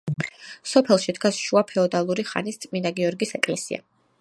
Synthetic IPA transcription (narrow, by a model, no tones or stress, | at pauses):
sɔpʰɛlˠʃid̪ɡasʃuapʰɛɔd̪alˠuɾiχa̰nist̪sʼmind̪aɡiɔɾɡisɛkʼlɛsia̰